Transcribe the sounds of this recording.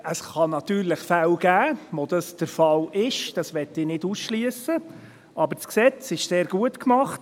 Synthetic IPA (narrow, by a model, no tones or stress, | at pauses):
əsχɑnɑt̪yːɾləχfæwɡ̥æːʋod̥̪ɑsd̥əɾfɑlɪʃd̥ɑsʋɛtːɪːnɪdusʃliəsə | ʔɑbəɾt͡sksɛt͡sɪʃseːɾɡ̥uətkmɑχt